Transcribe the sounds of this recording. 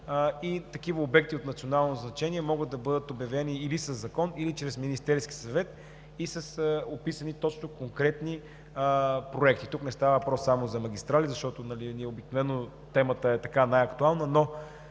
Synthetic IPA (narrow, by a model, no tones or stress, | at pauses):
it̪ɐkivəobɛk̚t̪iot̪nt̪sionalˠnoznɐt͡ʃɛniɛmɔɡəd̪̚d̪ɐbɤd̪ət̪objɐvɛniːlisɐzːɐkɔnilit͡ʃɾɛsminist̪ɛɾski̥sɐvɛt̪ | isɐsopisənit̪ɔt͡ʃnokoŋkɾɛt̪ni | pɾoɛk̚t̪it̪uknɛst̪avəvɐpɾɔsːamozɐmɐɡʲist̪ɾalizɐʃt̪ɔt̪onɐliniɛobiknovɛnːo | t̪ɛmət̪əɛt̪ɐkanajɐkt̪ualˠnəno